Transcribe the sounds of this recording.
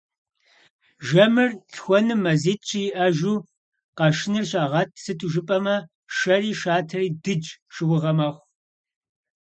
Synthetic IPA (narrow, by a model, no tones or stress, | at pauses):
ʒɐmɨrɬxʷɔnɨmɐziːtʼt͡ʃʰʼijɪʔɐʒuː | qɑʃɪnɨrɕʼaːʁɐtʰsɨtʰuʒɨpʼɐmɐ | ʃɐriːʃaːtʰɐriːdɨd͡ʒʃɨwʊʁɐmɐχʷ